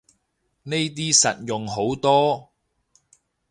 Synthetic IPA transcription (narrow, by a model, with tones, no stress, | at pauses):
ne˥jt̪̬iː˥sɐ˨t̚jʊ˨ŋɦo˨˥wt̪ɔː˥